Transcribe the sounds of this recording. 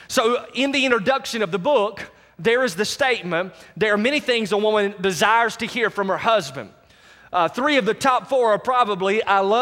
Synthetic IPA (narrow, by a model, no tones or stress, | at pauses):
soʊɪ̃nðiɪ̃ñɹ̥ɨdʌkʃɨ̃nʌvðɨbʊk | ðə˞ɨzðɨsteɪt̚mɨ̃nðə˞ːmɛñiθɪ̃ŋzəwʊmə̃ndɨzaɪə˞z̥tɨhiɹfɹʌ̃mə˞hʌzbɨ̰̃nd | θɹiʌvðɨtʰɑpfɔɹə˞pʰɹ̥ɑbəbliʔaɪlʌ